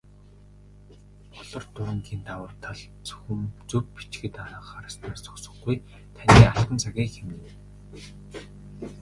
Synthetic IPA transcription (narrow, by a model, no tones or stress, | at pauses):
ɔɮɞ̆rt̪ʊɾə̆ŋɡiːnt̪awəːrt̪ʰaɮ | t͡sɵ̥xɵ̆mt͡sɵpːi̥t͡ɕɡɘ̆t̪aɾə̆χaɾə̆st̪aːrt͡sʰɔ̥ksɞ̥̆χɡuj | t̪ʰanʲiːarqə̆nt͡sʰaɣʲiːkxemɘ̆n